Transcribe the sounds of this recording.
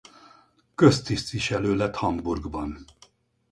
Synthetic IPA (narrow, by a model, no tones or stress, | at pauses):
køst̪ist̪ʋiʃɛløːlɛt̪hɒmburɡbɒn